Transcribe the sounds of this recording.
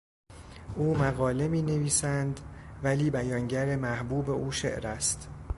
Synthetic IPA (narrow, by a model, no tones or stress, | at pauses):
ʔuːmæɣɒːle̞miːne̞viːsænd̪væliːbæjɒːŋɟæɾemæhbuːbe̞ʔuːʃe̞̰ʔɾæst̪